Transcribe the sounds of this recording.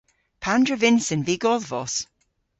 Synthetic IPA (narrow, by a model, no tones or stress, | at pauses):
pʰandɹəvɪnsənviːɡɔðvɔs